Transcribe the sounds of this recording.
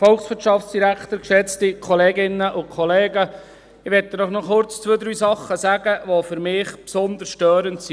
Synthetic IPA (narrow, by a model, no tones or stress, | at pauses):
fɔlksʋɪtʃɑftsd̥iɾækʰt̪əɾkʃɛt͡stikʰɔleːɡɪnːəʔʊkʰɔleːɡə | ɪʋɛtːədɔχnɔχʊɾt͡st͡sʋøːd̪ɾyːsɑχːəsæɡ̥əʋɔfʏɾmɪːχpsɔnd̪əsʃtøːɾəntsi